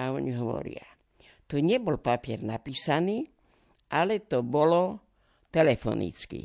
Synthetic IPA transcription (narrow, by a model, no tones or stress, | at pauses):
aɔɲiɦɔʋɔ̰ɾḭa | t̪oɲɛbɔlpapiɛɾnapiːsaniː | ʔalɛt̪ɔbɔlɔ | t̪ɛlɛfɔ̰nḭt͡skḭ